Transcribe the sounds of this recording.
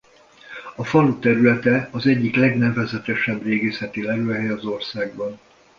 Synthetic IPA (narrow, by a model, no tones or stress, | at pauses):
ɒfɒlut̪ɛɾylɛt̪ɛɒzɛɟːiklɛɡnɛvɛzɛt̪ɛʃɛbreːɡeːsɛt̪ilɛɾøːɦɛjɒzo̞rsaːɡbɒn